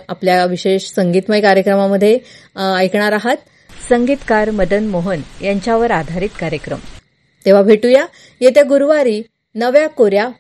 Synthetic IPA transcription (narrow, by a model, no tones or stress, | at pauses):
apljaʋiɕeɕsəŋɡiːt̪məjkaɾjəkɾəmaməd̪ʱːjeajkɳ̃aɾaɦat̪̚ | səŋɡiːt̪kaɾməd̪ənmoɦənjaɲt͡ɕjaʋəɾad̪ʱaɾiːt̪kaɾjəkɾə̰m | t̪eʋ̤abʱeʈuja | jet̪jaɡuɾʋaɾiː | nəʋjakoɾja